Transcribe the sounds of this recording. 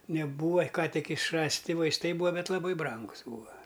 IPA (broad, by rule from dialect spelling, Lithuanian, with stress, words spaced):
nʲɛˈbuːɐ ˈkɑː tʲɪk ɪʃˈrɑːsʲˌtʲɪ ʋɐɪsˈtɐɪ ˈbuːɐ ˈbʲɛt lˠɐˈbɐɪ ˈbrɐŋɡʊs ˈbuːɐ